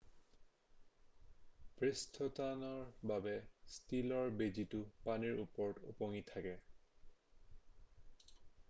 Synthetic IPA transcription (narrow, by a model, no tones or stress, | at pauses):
b̥ɹistʰɔtanɔɹbabɛstilɔɹbeditʊpaniɹupɔɹtṵpoŋitʰːakɛ